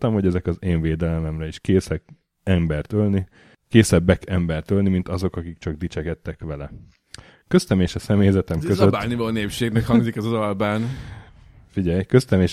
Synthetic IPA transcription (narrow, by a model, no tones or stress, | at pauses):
t̪ɒmho̞ɟɛzɛkɒzeːɱveːd̪ɛlɛmɛmrɛiʃkeːsɛk | ɛmbɛrt̪ølni | keːsɛbːɛkɛmbɛrt̪ølnimint̪ɒzo̞kɒkik̚t͡ʃɒɡ̚d̪it͡ʃɛkɛt̪ːɛkʋɛlɛ | køst̪ɛmeːʃɒsɛmeːjzɛt̪ɛmkøzøaːnivɛloneːpʃeːɡnɛkhɒŋɡzikɛzɒzɒlbaːn | fiɟɛjkøst̪ɛmeːʃ